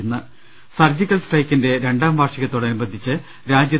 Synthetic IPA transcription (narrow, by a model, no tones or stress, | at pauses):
nːɐ | sɐrd͡ʑikʲːɐlsʈrɐjkːinde̞ɾe̞ɳɖaːmʋaːrʂiɣɐt̪ːoːɽeɐnubɐd̪ʱːit͡ɕːɨ | ɾaːd͡ʑjɐ